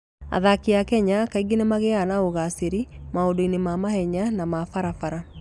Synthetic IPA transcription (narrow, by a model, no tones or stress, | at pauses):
a̰ðakeakɛɲakaiɡenemaɣeanaoɣaseɾimaodoinemamahɛɲanamafaɾafaɾa